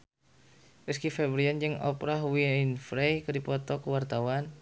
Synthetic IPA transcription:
ɾəskifɛbɾiand͡ʒɨŋɔ̰pɾahwiinfɾejkədipɔt̪ɔkəwart̪awan

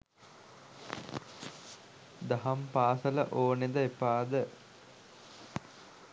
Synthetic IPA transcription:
d̪ɐɦɐmpaːsələʔoːned̪əepaːd̪ə

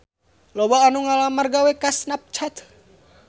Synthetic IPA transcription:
lɔwaːnuŋalamarɡawɛkasnap̚t͡ʃʰat̪

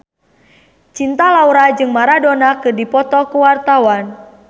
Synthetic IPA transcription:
t͡ʃint̪alauɾad͡ʒɨŋmaɾadonakɨrdipɔt̪ɔkuwart̪awan

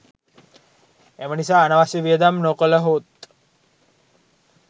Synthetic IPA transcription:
emənisaːnaʋasiʋiəd̪amnokələɦoːt̪̚

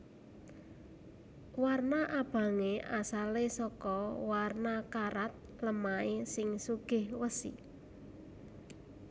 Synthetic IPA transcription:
warnaʔab̥ä̤ŋeʔasalesɔkɔwarnakaɾat̪̚ | ləmaesɪŋsuɡ̥ɪ̤hwəsḭ

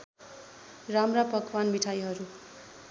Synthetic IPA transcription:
ramrapʌkʰwanmiʈʰajɦʌɾu

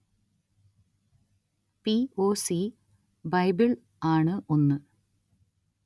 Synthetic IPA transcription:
pioːsi | bɐjbiɭ | aːɳɨʔo̞nːɨ

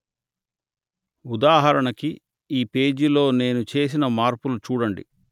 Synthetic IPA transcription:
ud̪aːɦɐɾɐɳɐki | iːpe̞ːd͡ʒilo̞ːne̞ːnut͡ʃe̞ːs̬inɐmaːɾpulut͡ʃuːɽɐɳɖḭ

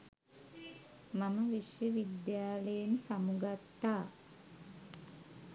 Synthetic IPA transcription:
maməʋiʂjəʋid̪jaːləjensamuɡat̪ːaː

